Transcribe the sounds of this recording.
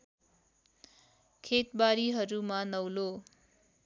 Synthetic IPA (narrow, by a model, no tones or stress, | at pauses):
kʰet̪baɾiɦʌɾumanʌwlo